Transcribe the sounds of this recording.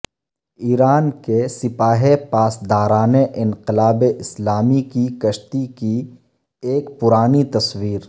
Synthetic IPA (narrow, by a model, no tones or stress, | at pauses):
iːɾaːnkesɪpaːɦepaːsd̪aːɾaːneʔɪ̃nqɪlaːbeʔɪslaːmikikɐʃt̪iki | eːkpʊɾaːnit̪ɐswiːɾ